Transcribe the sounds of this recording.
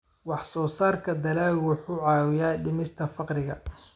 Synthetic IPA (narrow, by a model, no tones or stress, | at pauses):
wɑħsɔːsaːrkʰɐd̪ɐlaːlwʊħuːʕɑːwɪjaːɖɪmɪst̪ʰɐfɑqrɪɣɐ